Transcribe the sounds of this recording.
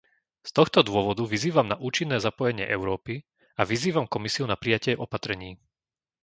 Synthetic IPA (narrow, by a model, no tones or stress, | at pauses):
st̪ɔxt̪ɔd̪ʊɔʋɔd̪uʋiziːʋamnaʔuːt͡ʃinːɛːzapɔjɛɲɪɛ̰ʔɛʊɾɔːpi | aʋiziːʋamkɔmisiunapɾijacɪɛʔɔpat̪ɾɛɲiː